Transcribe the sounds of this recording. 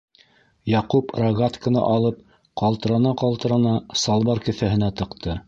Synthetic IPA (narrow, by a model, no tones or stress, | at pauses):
jɑquprɐɡat̪kənɑ̰ʔɑlˠɤp̚ | qɑlˠt̪ɤ̆ɾɑnɑqɑlˠt̪ɤ̆ɾɑnɑsɑlˠβɑɾkɘ̆θæhɘ̆næt̪ɤ̆qt̪ʰɤ